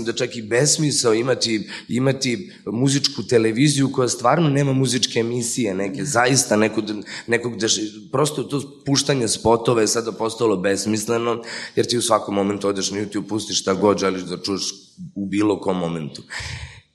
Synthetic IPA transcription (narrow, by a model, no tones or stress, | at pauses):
imd̪at͡ʃakibesmisleoimat̪iimat̪i | muzit͡ʂkut̪eleʋizijuko̞jast̪ʋaːɾnone̞ːmamuzit͡ʂkeːmisijenekezaist̪anɛkod̪nekoɡd̪aʃ | pɾost̪ot̪opuʃt̪aɲespo̞t̪oʋajesad̪apo̞st̪alˠo̞besmisleno̞jeɾt̪iːusʋakomːo̞ment̪uod̪eʃnajut̪jub̚pust̪iʃʃt̪aɡo̞d̪ʒeliʃd̪at͡ʃujeʃ | ubiːlokomːoment̪u